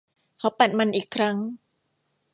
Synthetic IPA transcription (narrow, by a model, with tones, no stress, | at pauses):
kʰa˦˥wpa˨˩t̪̚ma˧nʔiː˨˩kʰːɾa˦˥ŋ